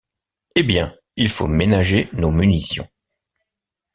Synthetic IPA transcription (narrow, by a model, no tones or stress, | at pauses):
ebjɛ̃ | ilfo̰menaʒenomynisjɔ̰̃